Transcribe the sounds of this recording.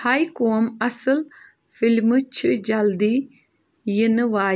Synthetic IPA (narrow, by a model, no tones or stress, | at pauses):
hajkoːmɐsɨl | filmɨt͡ʃʰɨd͡ʒɐld̪i | jinɨʋaː